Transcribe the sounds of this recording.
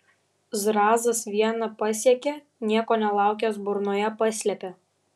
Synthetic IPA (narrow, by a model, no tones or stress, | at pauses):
zɾɑːzɐsʋʲiɛnɐpɐsʲiɛkʲe | nʲiɛkoːnʲɛlˠɑˑʊkʲɛsbʊɾnoːjɛpɐsʲlʲɛpʲɛ